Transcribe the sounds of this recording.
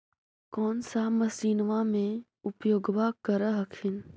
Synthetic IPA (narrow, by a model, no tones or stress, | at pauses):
kɔːnsaməsiːnʋamẽ | ʊpjoːɡʋakəɾəɦəkʰɪn